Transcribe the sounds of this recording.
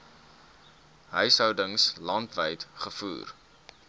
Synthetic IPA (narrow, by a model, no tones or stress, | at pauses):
ɦəjsəwdəŋslɐntvəjtχəfṵːr